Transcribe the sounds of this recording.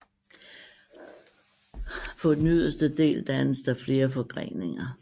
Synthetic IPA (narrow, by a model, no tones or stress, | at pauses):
fɒ̽d̥enyðˠɐsd̥əd̥e̝̰ːld̥ænəsd̥æɐfle̝ːɐfɒ̽ɡ̥ʁeŋne̝ŋɐ